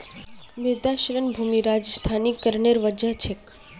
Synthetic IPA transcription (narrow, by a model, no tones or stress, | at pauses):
mɪd̪aʃɾənbʱumiɾad͡ʒst̪ʰanikːəɾɳeɾʋəd͡ʒət͡ʃʰek